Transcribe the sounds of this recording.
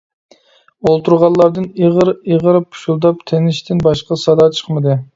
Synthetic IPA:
olˠt̪ʰuɾʁɑllˠɑɾd̪ɨneʁəɾeʁəɾpʰu̥ʃulˠd̪ɑp̚t̪ʰenɪʃt̪ʰɪnbɑʃqɑsɑd̪ɑt͡ʃʰə̥χmɨd̪ɨ

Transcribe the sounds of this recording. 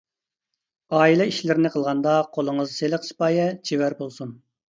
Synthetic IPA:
ɑːilˠɛiʃlɪɾɪnɪqʰəlˠʁɑnd̪ɑqʰolˠəŋəzselɪqsi̥pɑːjɛt͡ʃʰiwæɾbolˠsun

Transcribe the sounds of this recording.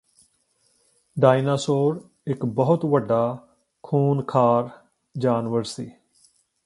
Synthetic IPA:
ɖaːinaːsoːɾ | ɪkbəɦʊt̪ʋəɖːaː | kʰuːnkʰaːɾ | d͡ʒaːnʋəɾsḭː

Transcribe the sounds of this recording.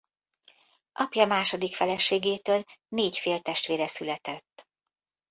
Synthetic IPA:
ʔɒpjɒmaːʃo̞d̪ikfɛlɛʃeːɡeːt̪øːlneːcfeːlt̪ɛʃt̪ʋeːɾɛsylɛt̪ɛt̪ː

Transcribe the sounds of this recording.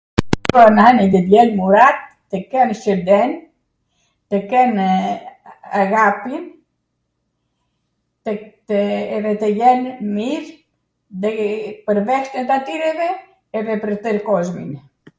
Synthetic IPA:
pɔnanid̪ɛd̪jɛlmuɾat̪̚ːəkɛnʃəɾd̪ɛn | t̪əkɛn | aɣapin | t̪ | ɛðɛt̪əjɛnmiɾ | ðɛpəɾvɛʃt̪ɛt̪at̪iɾɛvɛː | ðɛpəɾt̪əɾkɔzmḭn

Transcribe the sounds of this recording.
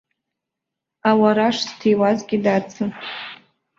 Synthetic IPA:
awaɾaʂstʰejwazɡʲidat͡sʰɨ

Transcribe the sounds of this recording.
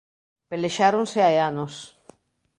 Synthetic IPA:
peleʃaɾonseaeanos

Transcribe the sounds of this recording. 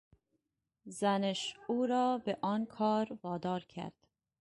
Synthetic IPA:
zæneʃuːɾɒːbeʔɒːnkʰɒːɾvɒːd̪ɒːɾcʰæ̰ɾd̪̥

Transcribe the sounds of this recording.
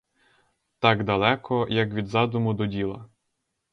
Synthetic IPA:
t̪ɑɡd̪ɐlˠɛkɔjɐkʋʲid̪zɑd̪ʊmʊd̪ɔdʲilˠɐ

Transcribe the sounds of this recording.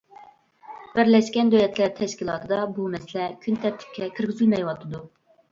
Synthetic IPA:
b̥ɪɾlɛʃkʲɛnd̪ølɛt̪ʰlæɾt̪ʰɛʃkʲilˠɑːt̪ʰɨd̪ɑbumɛsɪlɛkʲʰynt̪ʰɛp̚t̪ʰɪ̥p̚kʲʰɛkʲʰiɾɡʲyzylmɛjwɑt̪ʰɨd̪u

